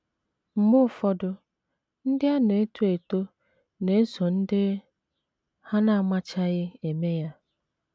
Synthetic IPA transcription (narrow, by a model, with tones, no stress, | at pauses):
m̩˨mʊ˦˨fɔ˦dʊ˦ | n̩˦dɪ˦a˦ne˨e˦tu˦e˨to˦ | ne˨e˦sɔ˨n̩˦dɪ˦ | ha˦na˦˨a˨ma˦t͡ʃa˦ɣɪ˦e˨me˦ja˦